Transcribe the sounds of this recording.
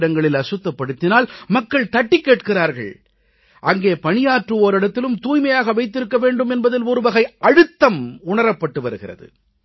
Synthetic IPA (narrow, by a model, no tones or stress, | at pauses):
ɽɐŋɡɐɭɪlɐsɯt̪ːɐpːɐɽɯt̪ːɪnaːlmɐkːɐɭt̪ɐʈːɪkːeːʈkɪraːɾɣɐ̰ɭ | ʔɐŋɡeːpɐɳɪjaːʈrɯoːɾɪɽɐt̪ːɪlɯmt̪uːjmɐjaːɣɐʋɐɪt̪ːɪɾɯkːɐʋeːɳɖɯmɛnbɐðɪlʊɾɯʋɐɣɐɪʔɐɻɯt̪ːɐmʊɳɐɾɐpːɐʈːɯʋɐɾɯɣɪrɐ̰ðɯ̰